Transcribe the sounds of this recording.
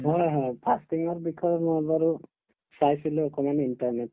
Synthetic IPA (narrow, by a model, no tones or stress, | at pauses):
ɦɔjɦɔjpʰastiŋɔɾbikʰɔɾɔmɔbaɾu | sajsiluɔkɔmaneinʈɔɾnet̚